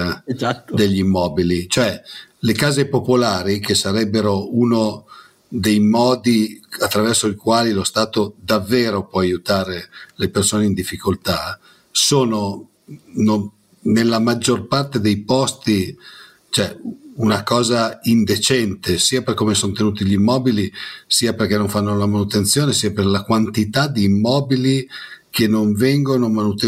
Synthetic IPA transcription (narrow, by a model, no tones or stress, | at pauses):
ad̪eʎːimːɔːbilit͡ʃoɛlekaːzepopolaːɾikesaɾɛbːeɾouno | d̪ejmɔːd̪iat̪ːɾavɛrsoikwaːlilost̪aːt̪od̪avːeːɾopwɔajut̪aːɾelepersoːneind̪ifːikolt̪a | soːno | no | nelːamad͡ʒːorpart̪ed̪ejpɔst̪i | t͡ʃoɛunakɔːzaind̪et͡ʃɛnt̪esiːaperkːomesont̪enuːt̪iʎimːɔːbilisiːaperk̟ɛnːoɱfanːolamanut̪ent̪sjoːnesiːaperlakwant̪it̪ad̪iːmːɔːbilikʰenːoɱvɛŋɡonomanut̪e